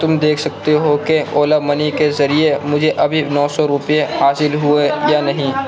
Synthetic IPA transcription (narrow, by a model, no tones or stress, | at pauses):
t̪ʊmd̪eːkʰsɐk̚t̪eɦokeoːlamɐnikezɐɾiemʊd͡ʒʱeʔɐbʱinɔːsɔɾʊpijehaːsɪlɦʊejanɐɦĩː